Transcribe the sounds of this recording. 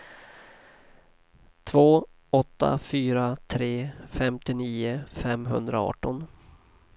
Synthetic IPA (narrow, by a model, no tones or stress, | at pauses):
t̪ʰvoː | ɔt̪ːa̰fyːɾat̪ʰɾeːfɛmt̪ɪniːʊfɛmɦɵ̰nd̪ɾaɑ̰ːʈːɔn